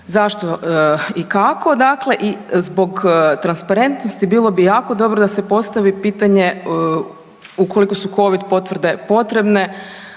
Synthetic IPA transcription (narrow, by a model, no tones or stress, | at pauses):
zaʃt̪o̞ikako̞d̪aːkle̞ʔizbo̞ɡt̪ɾanspaɾe̞nt̪nost̪ibiːlˠo̞bijaːko̞d̪o̞bɾod̪ase̞po̞st̪aʋipiːt̪aɲe̞ | uko̞liko̞suko̞ʋid̪po̞t̪ʋrd̪e̞po̞t̪ɾe̞bne̞